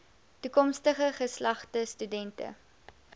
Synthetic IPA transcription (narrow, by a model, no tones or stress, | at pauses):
tukɔmstəχəχəslɐχtəstydɛntə̰